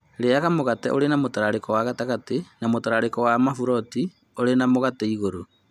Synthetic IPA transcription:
ɾeaɣamoɣatɛ̰ʔoɾenamotaɾaɾekɔwaɣataɣatenamotaɾaɾekɔwamafuɾɔti | oɾenamoɣatɛiɣoɾo

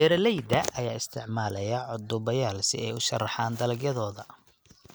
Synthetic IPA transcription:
ɛːɾɐlɛjd̪ɐʔɐjaːɪst̪ʰɪʕmaːlɐjɐʕʊd̪ʊβɐjaːlsɪ̰ɛjʊʃɐ̰rːɑħɑːnd̪ɐlɐɡjɐðɔːðɐ

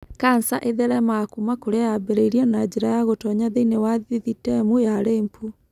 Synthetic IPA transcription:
kansaʔeðɛɾɛmakumakoɾeajabeɾeiɾiɔnad͡ʑeɾajaɣotɔɲaðeinewaðiðitɛmujaɾeːmpu

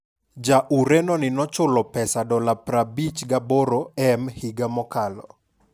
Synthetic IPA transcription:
d͡ʒaʔuɾɛnɔnɪnɔt͡ʃʊlɔpɛsadɔlapɾabit͡ʃɡaboɾoɛmhiɡamɔkalɔ̰

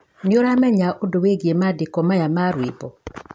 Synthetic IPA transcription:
neoɾamɛɲaʔodoweɡiemadekɔmajamaɾwebɔ

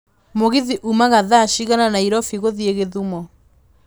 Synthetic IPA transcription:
moɣiðiʔumaɣaðaːʃiɣananaiɾɔfiɣoðieɣeðumɔ

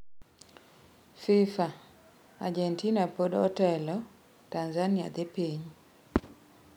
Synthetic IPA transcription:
fifa | a̰d͡ʒɛntinapodɔtɛlɔ | tanzania̰d̪ɪpiɲ

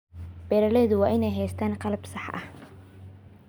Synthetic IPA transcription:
b̥ɛːɾɐlɛːðʊwɑːʔɪnɛjɦɛjst̪ʰaːnqɑlbsɑħʔɐ̰h

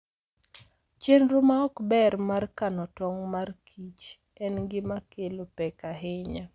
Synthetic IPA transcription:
t͡ʃenɾomaɔkbɛrmarkanɔtɔŋmarkʰit͡ʃ | ɛnɡɪmakelopɛkaɦɪɲa

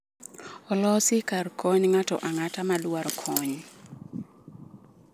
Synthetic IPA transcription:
ɔlɔsɪkarkʰɔɲŋatɔ̰ʔaŋatamalwaɾkʰɔɲ

